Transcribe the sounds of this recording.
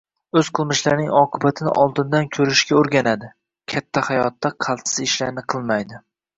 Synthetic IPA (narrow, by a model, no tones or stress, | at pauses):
ɵzqʰɨlˠmɪʃlaɾnɪŋɒqʰɨbat̪ʰɪnɪ̰ʔɒlˠd̪ɪnd̪ankʲʰɵɾɪʃkʲaɵɾɡʲanad̪ɪ | kʲʰat̪ʰːahajɒt̪ʰːaqʰɑlˠt̪sɪzɪʃlaɾnɪqʰɨlˠmajd̪ɪ